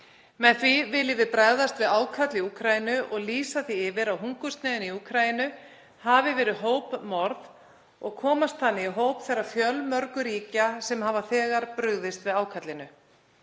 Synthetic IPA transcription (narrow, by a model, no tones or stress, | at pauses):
mɛðθvivɪljɪvɪðpɾaðast̪vɪðaːwkʰat̪lɪiuːkʰɾajɪnʏʔɔɣliːsaθiɪvɪɾawɦuŋkʏst̪nɛːðʏniuːkʰɾajɪnʏ | havɪvɛːɾɪðɦoːwpmɔɾð | ɔ̰ɣkʰɔːmast̪θanːɪiɦoːwpθɛrːḁfjœlmœɾkʏɾiːcasɛmhavaθɛːɣaɾpɾʏɣðɪst̪vɪðaːwkʰat̪lɪnʏ